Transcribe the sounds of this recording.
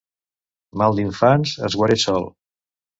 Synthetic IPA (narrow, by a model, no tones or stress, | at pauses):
malˠd̪iɱfanzə̰zɣwaɾesɔlˠ